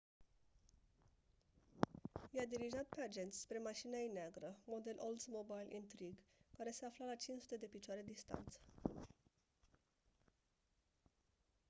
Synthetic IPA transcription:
jead̪iɾiʒat̪̚pe̞ad͡ʒe̞nt̪sʲspɾe̞maʃinajneaɡɾəmo̞d̪e̞lʔold̪smobajlʔḭnt̪ɾiɡkaɾe̞se̞aflalat͡ʃint͡ʃsu̥t̪e̞d̪e̞pit͡ʃoaɾed̪ist̪a̰nt̪sə̥

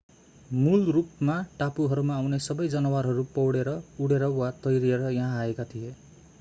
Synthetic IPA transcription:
mulrupmaʈapuɦʌɾumaːwnesʌbʌjd͡zʌnʌwaɾɦʌɾupʌwɽeɾʌuɽeɾʌwat̪ʌjɾieɾʌjãɦãɦaekat̪ʰije

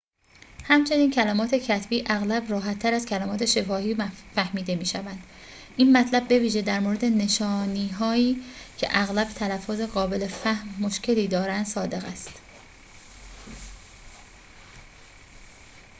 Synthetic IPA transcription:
hæmt͡ʃʰe̞niːncʰælæmɒːt̪ʰe̞cʰæt̪ʰbiːʔæɣlæbrɒːɦæt̪ʰːæɾæzcʰælæmɒːt̪ʰe̞ʃe̞fɒːhiːfæhmiːd̪e̞miːʃævænd̪̥ | ʔiːnmæt̪ʰlæbːe̞viːʒe̞d̪æɾmoɾe̞d̪e̞ne̞ʃɒːniːɦɒːiːcʰe̞̰ʔæɣlæbt̪ʰælæfːoːzeɣɒːbe̞lefæhmːo̞ʃcʰe̞liːd̪ɒːɾænd̪̥sɒːd̪e̞ɣæst̪

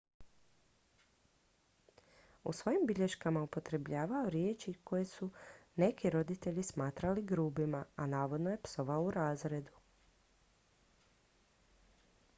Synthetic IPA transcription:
ṵsʋo̞jimbiʎe̞ʃkamaupo̞t̪ɾe̞bʎaːʋaoɾjeːt͡ʃikʰo̞jesune̞kiɾo̞d̪it̪e̞ʎismaːt̪ɾaliɡɾuːbimaanaːʋo̞d̪noje̞pso̞ʋaouɾaːzɾe̞d̪u

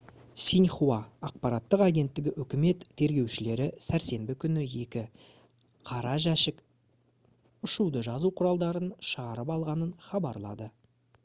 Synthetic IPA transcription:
sinχuɑɑq̚pɑɾɑt̪ːəqaɡʲe̞nt̪ːɪɡʲɪʔʏkʲɪme̞t̪ʰːe̞ɾɡʲe̞wʃɪle̞ɾɪsæɾse̞mbɪkʲʰʏnɪje̞kʲɪ | qʰɑɾɑʒæʃɪk | ʊʃud̪əʒɑzuqʰʊɾɑlˠd̪ɑɾənʃəʁɑɾəpɑlˠʁɑnənχɑbɑɾlˠɑd̪ə

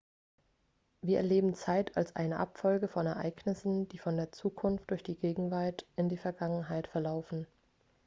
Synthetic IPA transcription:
viːɐɛɐleːbm̩t͡saɪtʰa̰lsʔa̰ɪnəʔa̰pfɔlɡəfɔnɛɐʔa̰ɪɡnɪsn̩d̥iːfɔndeːɐt͡suːkʰʊnft̚d̥ʊɐçd̥iːɡeːɡŋ̩vaɐtʔɪndiːfɛɐɡaŋənɦaɪtfɛɐlaʊfn̩

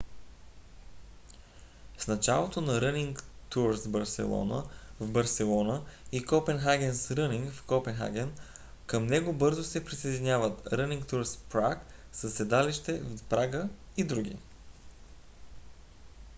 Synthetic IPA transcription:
snɐt͡ʃalˠot̪onɐɾəniŋkt̪uɾsbəɾsɛ̰lˠɔ̰nə̰vbɐɾsɛlˠɔnəikɔpɛnxaɡʲɛnsɾɤniŋkfkɔpɛnxa̰ɡʲɛnkəmnɛɡobɤɾzosɛpɾisəjd̪inʲjavət̪ɾəniŋkt̪uɾspɾak | səsɛd̪aliʃt̪ɛvpɾaɡəid̪ɾuɡʲḭ

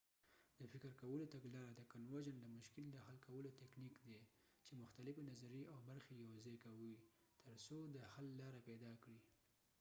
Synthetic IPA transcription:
d̪̥əfɪkɾkawəlot̪aɡlɑɾad̪əkanwaʒənd̪əmʊʃkɪld̪əhalkawəlot̪ɛknikd̪e | t͡ʃemʊxt̪alɪfenazaɾiʔawbaɾxejawzɑjkawi | t̪ʰəɾsod̪əhalːɑɾapɛd̪ɑkɽi

